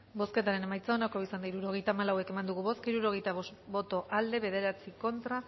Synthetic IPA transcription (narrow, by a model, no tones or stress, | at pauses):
bo̞ske̞t̪aɾe̞ne̞majt͡saonako̞isand̪aiɾuɾo̞ɣejt̪aːmalawe̞ke̞mand̪uɣuβo̞skiɾuɾo̞ɣ̞e̞jt̪aβosbo̞t̪o̞ʔald̪e̞βe̞ð̞e̞ɾat͡siko̞nt̪ɾa